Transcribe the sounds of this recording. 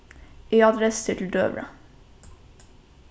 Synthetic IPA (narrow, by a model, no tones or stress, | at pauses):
iːɑd̪ɾɛst̪ʰɪʈl̩d̪ø̰ːbɾə̰